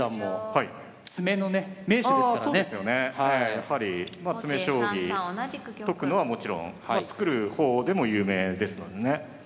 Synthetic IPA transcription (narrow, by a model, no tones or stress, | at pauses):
amohai | t͡sɨme̞no̞neme̞ːɕid̪eskaoːesɨjo̞ne̞hejjahaɾʲimat͡sɨme̞ɕo̞ːɡʲi | t̪o̞kɯ̟no̞βamo̞t͡ɕiɾõ̞̰ŋat͡sɨ̥kɯ̟ɾɯ̟ho̞ːd̪e̞mo̞jɯ̟ːme̞ːd̪e̞sɨno̞̰d̪e̞ne̞